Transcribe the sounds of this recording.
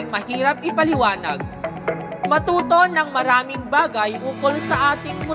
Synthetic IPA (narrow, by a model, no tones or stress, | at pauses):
ŋmɐhiːɾɐp̚ɪpɐlɪwaːnɐɡ̚ | mɐt̪uːt̪o̞nɐŋmɐɾaːmɪŋbaːɡɐjʔuːkolsɐʔaːt̪ɪŋmʊ